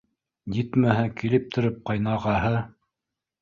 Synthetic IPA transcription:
jɘt̪mæɦækilɘp̚t̪ʰɵ̆ɾɵp̚qɑjnɑʁɑɦɤ

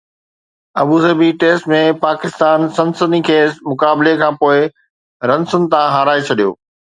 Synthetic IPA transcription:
ɐbuːzɐbiʈeːsʈmẽpaːkɪst̪aːnsɐ̃nsəd̪ĩkʰeːsmʊkaːblekʰãːpoːɪ | ɾɐ̃nsʊnt̪ãɦaːɾaːet͡ɕʰɐɗijo̰ː

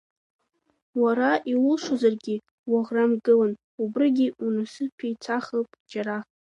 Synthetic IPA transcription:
waɾaʔiwʊlʂozarɡʲi | waʁramɡɨlan | ubrɨɡʲiunasɨpʰejt͡sʰaχəlpʼd͡ʒaɾaχ

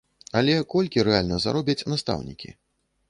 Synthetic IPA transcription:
alʲɛkɔlʲkʲiɾɛalʲnɐza̰ɾɔbʲɐt͡sʲnɐst̪a̰wnʲḭkʲḭ

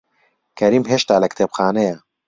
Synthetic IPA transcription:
kʰɐɾiːmɦeːʃt̪aːlɐkt̪ʰeːpxaːnɐjɐ

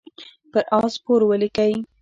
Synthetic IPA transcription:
pəɾʔɑspoɾwəlikaj

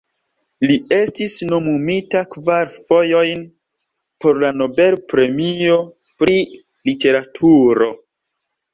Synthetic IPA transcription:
lie̞stisno̞mumitakvaɾfo̞jo̞jn | po̞ɾlano̞be̞lpɾe̞mio̞ | pɾi | lite̞ɾatʰuɾo̞

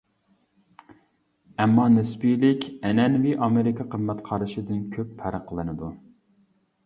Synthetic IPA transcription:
ɛmːɑnɪspilɪkʲɛnɛnviʔɑmɨɾɪkʰʲɑqʰəmːɛt̪qʰɑɾɨʃɪd̪ɪnkʲʰøpːʰæɾəqʰəlˠɨnɨd̪u

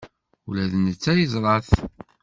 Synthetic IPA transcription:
ulæðnət͡sːæjəzˤɾˤɑθ

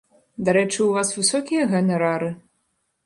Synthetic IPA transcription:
d̪aɾɛt͡ʂɨuvasvɨsɔkʲijɐɣɛnɛɾaɾɨ

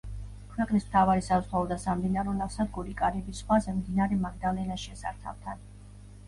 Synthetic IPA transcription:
kʰwɛqʼnism̥t̪ʰavaɾisazʁaɔd̪asamd̪inaɾɔnaχsad̪ɡuɾikʼaɾibisχwazɛmd̪inaɾɛmaɡd̪alɛnaʃɛsa̰ɾt̪ʰa̰vt̪ʰan

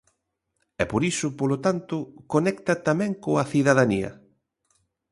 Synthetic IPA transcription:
ɛpoɾisʊpolot̪ant̪ʊkonɛkt̪ɐt̪amɛ̃ŋkoɐθiðaðaniɐ̰

